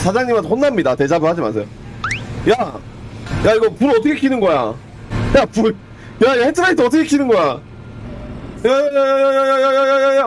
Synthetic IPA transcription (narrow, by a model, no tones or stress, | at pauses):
t͡ɕad͡ʑaŋɲimatohonːamɲidate̞d͡ʑabɯɭhad͡ʑima̰sʰʌjo | ja | jaiɡʌpuɾʌt͈ʰʌkʰekʰinɯnɡʌja | japu | jaihet͈ʰɯɾait̬͈ʰeʌt̬͈ʰːʌkʰekʰinɯnɡʌja | jajjajjajajajajajaja